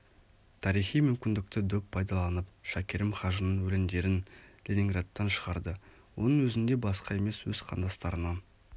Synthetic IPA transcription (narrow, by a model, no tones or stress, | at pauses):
t̪ʰɑɾijχijmʏmkʲɪnd̪ɪk̚t̪ɪd̪ɵppʰːɑjd̪ɑlˠɑnəp̚ʃækʲeɾɪmχɑʒənənwɵlɪnd̪e̞ɾɪnlʲenʲiŋɡrat̪ːɑnʃəʁɑɾd̪ə | wo̞̰nəŋwɵzɪnd̪e̞bɑsqɑe̞me̞swɵzqʰɑ̰nd̪ɑst̪ɑɾənɑ